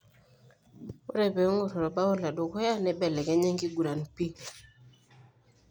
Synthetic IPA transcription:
o̰˦ɾɛ˨bɛ˨o˦ŋo˦˨ɾɔ˨ɾɔ˨ba˦o˦la˨do˨kɔ˦ja˦nɛ˦bɛ˨lɛ˨kɛ˨˦ɲɛ˦ŋɡi˦ɡu˨ɾa˨n˨pi˦

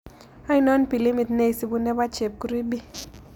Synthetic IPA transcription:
a˦i˦nɔ˦npi˨li˦mi˨t̪ne˦i˨si˨˦bu˦nɛ˦ba˦t͡ʃe˨p̚ku˦ɾi˦bi˦

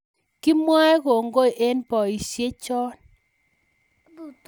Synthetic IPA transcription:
ki˦mwa˦ɛ˦ko˨ŋɡo˦˨ʔe˦npɔ˨i˨sje˦t͡ʃɔ˦n

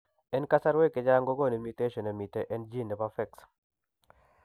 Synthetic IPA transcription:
ɛ˦nka˦sa˦ɾwe˦kɪ˨d͡ʒa˦ŋɡo˦ɡo˦˨ni˨nmi˨te˦ʃɔ˨ne˨mi˨teʔɛ˦nd͡ʒi˦ndɛ˨pafɛ˦ks

